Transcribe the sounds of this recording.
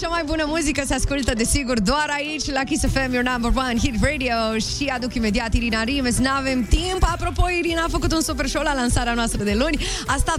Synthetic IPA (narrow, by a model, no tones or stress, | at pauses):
t͡ʃamajbunəmuzikəseaskult̪əd̪e̞siɡurd̪oaɾait͡ʃʲlakisefemjɔnambərwanɦit̪red̪ioʃiad̪ukimed̪iat̪iɾinaɾimesnave̞mt̪impapɾo̞po̞iɾinafəkut̪unsup̬erʃolalaɨnsaɾeanoast̪ɾəd̪e̞lunʲ | ast̪at̪